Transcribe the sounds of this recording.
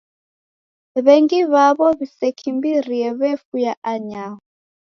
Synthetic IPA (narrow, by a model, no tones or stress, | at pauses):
βɛŋɡiβaβɔβisɛkʰimbiɾiɛβɛfujaʔaɲaɦɔ